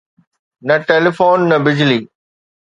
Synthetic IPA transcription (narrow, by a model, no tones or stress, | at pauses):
nɐʈeːlifoːnːɐbɪd͡ʑliː